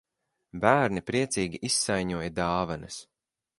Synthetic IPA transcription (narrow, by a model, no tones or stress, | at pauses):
bæːɾnipɾiɛt̪siːɡʲiʔisːajɲuɔjad̪aːvanɐs